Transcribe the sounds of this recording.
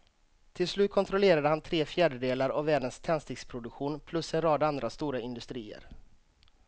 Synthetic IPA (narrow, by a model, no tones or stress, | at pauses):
t̪ʰɪlslʉ̟ːt̪̚kʰɔnt̪ɾɔleːɾad̪əhant̪ʰɾeːfjæːɖəd̪eːlaɾavːæːɖənst̪ʰɛnst̪ɪkspʰɾʊd̪ɵkɧuːnpʰlɵsɛnɾɑːd̪and̪ɾast̪uːɾaɪnd̪ɵst̪ɾiːə̰ɾ